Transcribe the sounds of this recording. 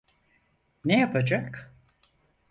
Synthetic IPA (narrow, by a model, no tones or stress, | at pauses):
nejapʰad͡ʒak